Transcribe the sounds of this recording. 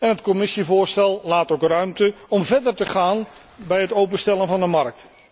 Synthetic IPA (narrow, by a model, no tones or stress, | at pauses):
ɛnɦətkɔmɪsivʊːɹstɛlˠlaːtowkrœɥmtəɔmvɛɹdəɹtəχaːn | bɛjɦətowp̬əstɛlˠənvɑndəmɑɹk̚t